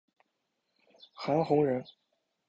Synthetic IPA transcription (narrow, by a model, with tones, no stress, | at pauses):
xa˧˥nxʊ˧˥ŋɻə˧˥n